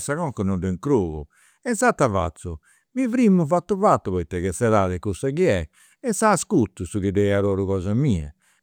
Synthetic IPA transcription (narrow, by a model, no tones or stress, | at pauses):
saɣɔŋkɔnɔd̪ɛŋkɾoːɣṵ | ɛnsat̪ːava̰t̪sːu | mivɾimːuvat̪ːuvat̪ːuβɔit̪ːɛkɛsɛɾaðɛkusakiɛ | ɛsaːskut̪ːusuɣid̪ejaɾɔːɾuɣɔːzamiːɛ̰